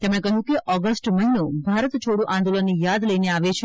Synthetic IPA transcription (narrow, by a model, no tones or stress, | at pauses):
t̪emɽẽkəɦũkeʔɔɡəsʈməɦinobʱaɾət̪t͡ʃʰoɽũʔãnd̪olənːijad̪ləineaʋet͡ʃʰe